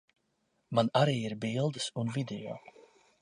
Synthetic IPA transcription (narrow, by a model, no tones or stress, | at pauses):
manaɾiːiɾbilˠd̪ɨsunvid̪ejo̰ː